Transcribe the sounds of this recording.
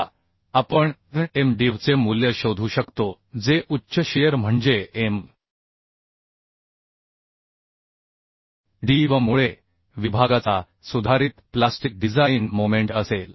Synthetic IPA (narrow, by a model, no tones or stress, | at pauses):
apəɳemɖiʋt͡semuljəɕod̪ʱuːɕəkt̪o | d͡zeʔutːɕʰəɕejəɾm̤əɳd͡zeem | ɖiʋəmuɭe | ʋibʱaɡat͡sa | sud̪ʱaɾiːt̪plasʈik̚ɖid͡zajnmomeɳʈəsel